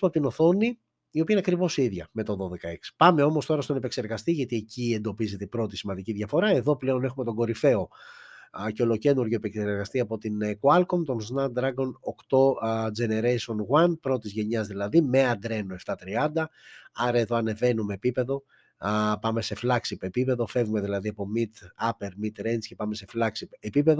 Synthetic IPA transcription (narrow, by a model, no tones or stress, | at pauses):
oɐp̚t̪ino̞θo̞ni | io̞piɐinɐkɾivo̞siðʝɐme̞t̪oðo̞ðe̞kɐe̞ksi̥pɐme̞o̞mo̞st̪o̞ɾɐst̪o̞nepekseɾɣɐst̪iʝɐt̪iecie̞nd̪o̞pizet̪eibɾo̞t̪isimɐnd̪iciðʝɐfo̞ɾɐe̞ðo̞ple̞o̞ne̞xume̞t̪o̞ɡo̞ɾife̞o | ceo̞lo̞ce̞nuɾʝoepekseɾɣɐst̪iɐpo̞t̪inkuɐlkomt̪o̞nznɐt̪̚d̪ɾɐɡo̞nokt̪o̞d͡ʒe̞ne̞ɾejso̞nɣwɐnpɾo̞t̪izʝe̞ɲɐzðilɐðime̞ɐnd̪ɾe̞noe̞ft̪ɐt̪ɾiɐnd̪ɐɐɾɐe̞ðo̞ɐne̞ve̞nume̞ːpipe̞ðo̞ | pɐme̞se̞flɐksipe̞pipe̞ðo̞fe̞vume̞ðilɐðiɐpo̞mit̪ɐpeɾmit̪ɾensce̞pɐme̞se̞flɐksipepipe̞ðo